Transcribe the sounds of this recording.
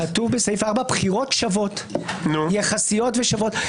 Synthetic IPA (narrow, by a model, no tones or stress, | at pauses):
atuvbesejfaʁbabχiʁo̞tʃavo̞tnujeχasijo̞tveʃavo̞t